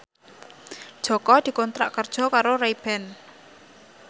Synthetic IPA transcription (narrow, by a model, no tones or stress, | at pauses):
d̥ʒ̥ɔ̤kɔd̪̥i̤kɔnt̪ɾa̰ʔkərd̥ʒ̥ɔ̤kaɾoraib̥ɛn